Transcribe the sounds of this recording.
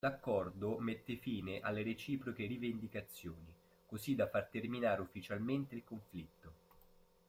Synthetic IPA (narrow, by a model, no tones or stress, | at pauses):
lakːɔrd̪omet̪ːefiːneʔalːeɾet͡ʃiːpɾokerivend̪ikat̪sːjoːni | kozid̪afːart̪erminaːɾeufːit͡ʃalment̪eilkoɱflit̪ːo